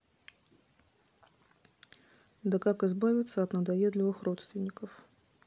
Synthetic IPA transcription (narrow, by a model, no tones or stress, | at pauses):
d̪əkakɨzbavʲɪt̪səɐt̪nəd̪ɐjʲed̪lʲɪvɨxro̞t̪st̪vʲɪnʲːɪkəf